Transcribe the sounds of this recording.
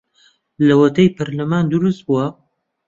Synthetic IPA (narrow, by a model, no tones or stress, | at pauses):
lɐwɐt̪ɐjpʰɐɾlɐmaːnd̪uɾust̪̚buwɐ